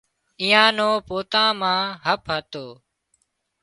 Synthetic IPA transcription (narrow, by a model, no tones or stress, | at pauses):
ijãːnoːpoːt̪ãːmãːɦəpɦət̪oː